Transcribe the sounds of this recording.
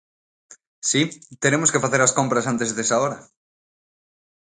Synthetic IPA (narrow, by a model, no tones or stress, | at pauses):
sit̪eɾemoskefaθeɾaskompɾas̬ant̪ezðesaoɾɐ